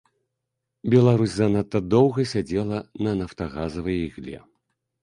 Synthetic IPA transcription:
bʲɛlˠaɾusʲzɐnat̪ːɐd̪ɔwɣɐsʲad͡zʲɛlˠɐnɐnɐft̪aɣazɐvɨjiɣlʲɛ̰

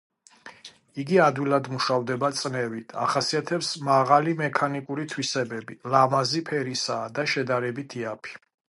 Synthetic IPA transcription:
iɡiad̪wilˠad̪muʃavd̪ɛbat̪sʼnɛvit̪ʰa̰χasiat̪ʰɛpsmaʁalimɛkʰanikʼuɾit̪ʰwisɛbɛbilamazipʰɛɾisaːd̪aʃɛd̪aɾɛbit̪ʰiapʰi̥

